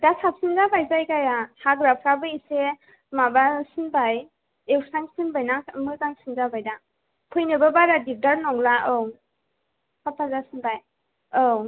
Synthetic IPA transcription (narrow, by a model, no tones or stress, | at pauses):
dasʰap̚sinzabajzajkajahaɡɾapʰɾabɯise | mabasinbaj | ewsaŋsinbajnamɯzaŋsinzabajda | pʰɯjnɯbɯbaɾadip̚taɾnɔŋlaʔow | sʰap̚tʰazasinbaj | ow